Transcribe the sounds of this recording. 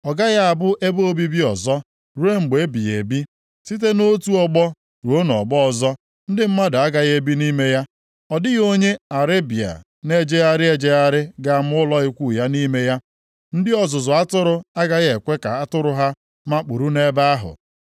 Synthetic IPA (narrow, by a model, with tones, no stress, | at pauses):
ɔ˨ɡa˦ɣa˦a˨bʊ˦ʔe˦bo˦bi˦bi˦ɔ˨zɔ˦ | ɾu˦e˦ŋ͡m̩˨ɡ͡be˨˦bi˨ḛ˨bi˦ | si˦t̬e˦no˦tu˦ɔ˦ɡ͡bɔ˦ | ɾo˦nɔ̰˨ɡ͡bɔ˦ɔ˨zɔ˦ | n̩˦dɪ˦m̩˦ma˦dʊ˨a˦ɡa˨ɣe˦bi˦ni˦me˦ja˦ | ɔ˨dɪ˦ɣo˦ɲe˦a˨ɾe˦bi˨a̰˨ | ne˦d͡ʒe˦ɣa˦ɾɪ˦e˨d͡ʒe˦ɣa˦ɾɪ˦ɡa˨m̩˦ʊ˦lɔ˦ɪ˦kʷu˦˨ja˦ni˦me˦ja˦ | n̩˦dɪ˦ɔ˨zʊ˨zʊ˨a˦tʊ˦ɾʊ˦a˦ɡa˦ɣe˨kʷe˦ka˨a˦tʊ˦ɾʊ˦ɦa˦ | ma˦k͡pu˨ɾu˦ne˦ba˦a˦ɦʊ̰˨